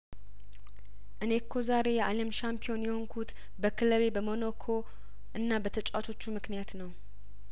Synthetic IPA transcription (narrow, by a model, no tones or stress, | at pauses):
ʔɨne̞kʰːo̞zaɾe̞jɛʔalemʃampʰio̞njɛho̞ŋkʰut̪ | bəkʰɨləβe̞bəmo̞nokʰo̞ | ʔɨnːabət̪ʰət͡ʃʼat̪ʰo̞t͡ʃːumɨknijat̪nəw